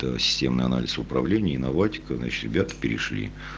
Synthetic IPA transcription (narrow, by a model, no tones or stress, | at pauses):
t̪əsʲɪ̥sʲtʲemnɨjɐ̰na̰lʲɪsʊpɾɐvlʲenʲɪəɪnɐvatʲɪ̥kəzna̰t͡ɕɪ̥t̪ɾʲɪbʲat̪ə̥pʲɪɾʲɪ̰ʂlʲḭ